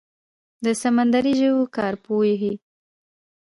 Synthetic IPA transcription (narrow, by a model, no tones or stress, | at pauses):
d̪əsamand̪aɾiʒəwkɑɾpojeɦi